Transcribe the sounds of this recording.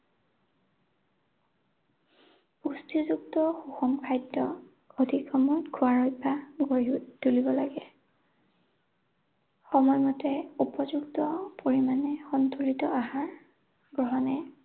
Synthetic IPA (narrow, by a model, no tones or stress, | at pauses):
ustʰizuktɔxuxɔmkʰajdːɔ | odʱikʰɔmɔtkʰuaɹɔjbʱaɡtulibɔlaɡɛ | xɔmɔjmɔtɛupɔzuktɔpoɹimanɛxɔntʰulitɔaɦaɹ | ɡɹɔɦɔnɛ